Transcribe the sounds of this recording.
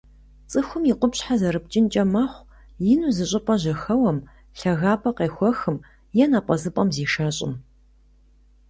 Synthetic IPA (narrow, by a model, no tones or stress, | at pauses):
t͡sʼɨxʷʊmjiqʷʊpɕħazɐɾɨp̚t͡ʃʼɪnt͡ʃʼɐmɐχʷ | jɪnuzɨɕʼɪpʼɐʑɐxɐwɐm | ɬɐɣaːpʰʼɐqeːxʷɔxɨm | jɛnapʷʼɐzɨpʼɐmziːʃɐɕʼɪ̰n